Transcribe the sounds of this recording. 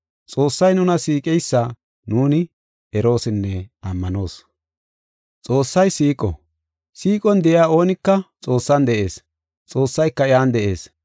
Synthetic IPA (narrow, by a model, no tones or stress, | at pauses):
t͡sʼo̞ːsːɐjnʊnɐsiːkʼɛjsːa | nuːnɪ | ɛɾo̞ːsɪnːɛɐmːɐno̞ːs | t͡sʼo̞ːsːɐjsiːkʼɔ̰ | siːkʼɔnd̪ɛʔɪaːo̞ːnɪkːɐt͡sʼo̞ːsːɐnd̪ɛʔe̞ːs | t͡sʼo̞ːsːɐjkːɐɪaːnd̪ɛʔe̞̰ːs